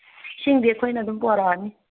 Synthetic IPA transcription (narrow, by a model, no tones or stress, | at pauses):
ʃiŋdɛkʰɔinad̪umpuaɾaːni